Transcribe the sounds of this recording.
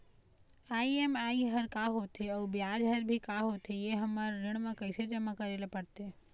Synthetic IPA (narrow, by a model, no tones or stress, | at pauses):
aːiemaːiɦɐɾkaɦot̪eɔːɾbjaːd͡ʒɦɐɾbʱikaɦoːt̪ejeɦɐmaɾɾɪɽ̃mẽkɐised͡ʒɐmakɐɾeːlepɐɽt̪eɦɛ